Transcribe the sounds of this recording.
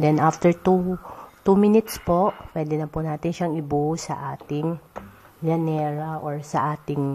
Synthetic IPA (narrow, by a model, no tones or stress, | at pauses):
d̪ɛnʔaft̪ɛɹt̪ut̪umɪnɪt̪spoʔpwɛːd̪ɛnɐpʊnaːt̪ɪnʃaŋɪbusɐ̰ʔaːt̪ɪŋ | d͡ʒɐnɛːɹɐʔoɹsɐʔaːt̪ɪŋ